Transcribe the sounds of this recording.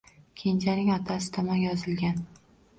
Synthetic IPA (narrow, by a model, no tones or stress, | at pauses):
kʲʰent͡ʃʰanɪŋɒt̪ʰasɪ̥t̪ʰɒmɒnjɒzɪlɡʲan